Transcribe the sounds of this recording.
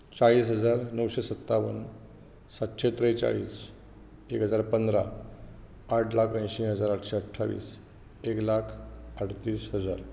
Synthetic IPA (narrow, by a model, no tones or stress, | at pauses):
t͡saɭiːsɦəd͡zaɾnəwɕesət̪ːaʋən | sat̪ɕet̪ɾəjt͡sa̰ɭḭːs | ekɦəd͡zaɾpənd̪ɾa | aʈʰlakʰə̃j̃ɕĩɦəd͡zaɾaʈɕeəʈʰːaʋḭːs | eklakʰəɽt̪iːsɦəd͡zaɾ